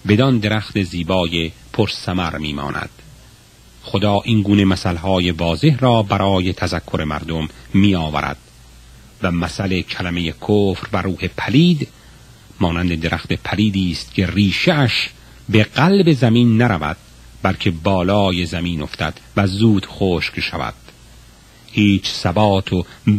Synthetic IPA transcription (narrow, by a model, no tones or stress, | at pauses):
be̞d̪ɒnd̪e̞ɾæxt̪eziːbɒːjepʰoɾsæmæɾmiːmɒ̰ːnʔæ̰d̪̥ | xod̪ɒːʔiŋɡuːne̞mæsælhɒːje̞vɒːze̞hɾɒːbæɾʔɒːje̞t̪ʰæzækʰːoɾe̞mæ̰ɾd̪omːiːɒːvæ̰ɾæ̰d̪̥ | væmæsælecʰælæme̞jekʰoːfɾvæɾuːhe̞pʰæliːd̪ | mɒːnænd̪e̞d̪eɾæxt̪epʰæliːd̪iːst̪̚cʰe̞riːʃeæʃ | beɢælbe̞zæmiːnːæɾævæ̰d̪̥̚ | bælcʰe̞bɒːlɒːje̞zæmiːno̞ft̪æ̰d̪̥væzuːd̪̥xoːʃkʃævæ̰d̪̥ | hiːt͡ʃʰsæbɒːt̪ʰo